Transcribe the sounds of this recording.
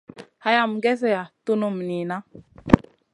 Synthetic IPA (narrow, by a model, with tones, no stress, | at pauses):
ha˦ja˦˨mɡɛ˦s̬ɛ˦ja˨tu˦nu˦˨mni˨na˦